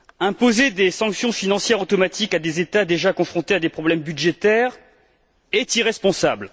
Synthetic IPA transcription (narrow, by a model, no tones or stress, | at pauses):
ɛ̃pozed̪esɑ̃ksjɔ̃finɑ̃sjɛʁot̪ɔmat̪ʰikad̪ezet̪ad̪eʒakɔ̃fχɔ̃t̪ead̪epχɔblɛmbyd̪ʒet̪ɛʁ | ɛt̪iʁɛspɔ̃sabl